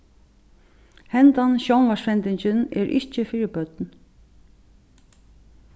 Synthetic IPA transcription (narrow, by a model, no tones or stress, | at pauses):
hɛnt̪anʃownʋaʂfɛnt̪ɪɲt͡ɕɪnɛ̰ɾʔɪ̰ht͡ʃəfɪːɾɪpœt̪n